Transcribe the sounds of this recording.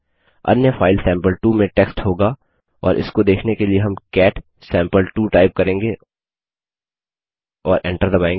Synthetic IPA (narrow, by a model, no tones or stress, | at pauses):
ɐ̰njəfaːɪlsɛ̃ːmpəlʈuːmẽʈɛːksʈɦoːɡa | ɔ̰ːɾʔɪ̰skod̪eːkʰnekelieɦɐmkɛːʈ | sɛ̃ːmpəlʈuːʈaːɪp̚kɐɾẽːŋɡe | ɔːɾʔɛ̃ɳʈəɾd̪ɐbaẽːŋɡ